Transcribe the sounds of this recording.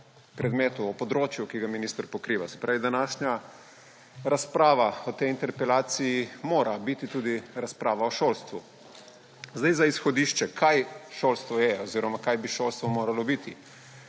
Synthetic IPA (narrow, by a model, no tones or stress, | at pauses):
pɾɛd̪mɛːt̪uɔpɔd̪ɾoːt͡ʃjukiɡaminist̪əɾpɔkɾiːʋasɛ̥pɾaːʋid̪anaːʃɲa | ɾaspɾaːʋaɔt̪ɛjint̪ɛɾpɛlaːt̪sijimoːɾʔabit̪it̪uːd̪iɾaspɾaːʋaɔʃolst̪ʋu | zd̪ajzaisxɔd̪iːʃt͡ʃɛkʰajʃoːlst̪ʋɔjɛɔziːɾɔmakajbiʃoːlst̪ʋɔmoːɾalɔbit̪i